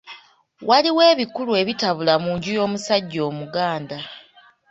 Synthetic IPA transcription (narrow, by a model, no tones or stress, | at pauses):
wʔaliwe̞ːβikulue̞βitaβulamuːɲɟujo̞ːmusaɟːo̞ːmuɡaːnda